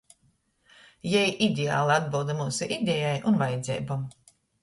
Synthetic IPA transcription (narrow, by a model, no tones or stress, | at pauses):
jɛjʔid̪ʲea̰ːlˠiad̪bɨlˠd̪amuːsuʔid̪ʲɛjajʔunvajɛd̪zʲɛ̰ːbam